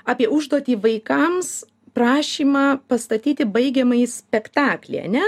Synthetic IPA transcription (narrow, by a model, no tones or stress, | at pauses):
ɑːpʲiɛʊʒd̪uɔt̪ʲiːʋɐɪkɐms | prɑːʃʲiːmɑːpɐst̪ɐt̪ʲiːt̪ʲɪbɐɪɡʲɛmɐɪsʲpʲɛkt̪ɑːklʲɛ̰ɪɐ̰nʲɛ